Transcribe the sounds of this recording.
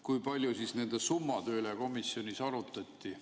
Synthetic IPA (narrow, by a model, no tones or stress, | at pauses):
kujpɑlʲjusisne̞nd̪esumːɑt̪ø̞ːleko̞misjo̞nʲisɑɾut̪ːˑɑt̪ʲːi